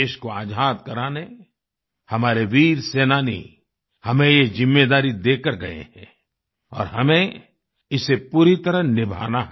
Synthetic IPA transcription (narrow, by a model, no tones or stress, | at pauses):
eːʃkoaːd͡ʒʱaːt̪kɐɾaːne | hɐmaːɾeʋiːɾseːnaːnḭ | hɐmẽjezɪmːeːd̪aːɾid̪eːkəɾɡɐḛɦɛ̰̃ | ɔ̰ːɾhɐmẽ | ɪsepuːɾit̪ɐɾəɦnɪbʱa̰ːnaɦ